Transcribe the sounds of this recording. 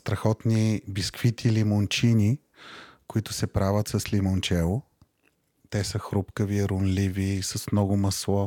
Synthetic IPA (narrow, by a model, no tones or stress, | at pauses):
st̪ɾɐxɔt̪nibiskfit̪ʰilimont͡ʃini | kʊit̪ʊsɛpɾavət̪sɐslimont͡ʃɛlˠʊ | t̪ɛsəxɾupkəviɾʊnlivisɐsmnɔɡʊməslˠɔ